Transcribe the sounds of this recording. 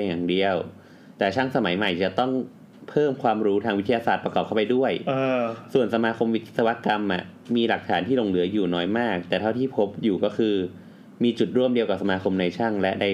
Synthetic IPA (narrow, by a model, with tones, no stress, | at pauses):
a˨˩ŋdi˧əw | t̪ɛː˨˩t͡ɕʰa˥˩ŋsa˧ma˨˩˦jma˨˩jt͡ɕa˨˩t̪ɔ˥˩ŋ | pʰɤː˥˩mkʰwaː˧mɾuː˦˥t̪ʰaː˧ŋwi˦˥t̪ʰa˧jaː˧saː˨˩t̪̚pɾkɔː˨˩a˥˩pa˧jdu˥˩əjsu˨˩ənsa˧maː˧kʰo˧mwi˦˥sa˧wa˦˥ka˧mʔa̰˨˩ʔ | miː˧la˨˩k̚t̪ʰaː˩˦nt̪ʰiː˥˩lo˧ŋlɯ˩˦ɐjuː˨˩nɔː˦˥jmaː˥˩k̚t̪ɛː˨˩t̪ʰa˥˩t̪ʰiː˥˩pʰo˦˥p̚juː˨˩kɔː˥˩kʰɯː˧ | miː˧t͡ɕu˨˩t̪̚ɾu˥˩əmdi˧əwkaː˨˩sa˧maː˧kʰo˧mna˧jt͡ɕʰa˥˩ŋlɛ˦˥ʔda˧j